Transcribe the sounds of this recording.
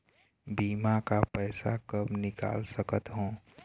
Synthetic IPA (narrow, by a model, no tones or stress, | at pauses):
biːmakapɛɪsakəbnɪka̰ːlsəkət̪ɦõː